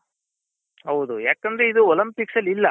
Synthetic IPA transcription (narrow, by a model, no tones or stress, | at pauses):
ɦɐwd̪ujaːkɐnd̪ɐɾe̞id̪uɔlɐmpiksɐlːilːɐ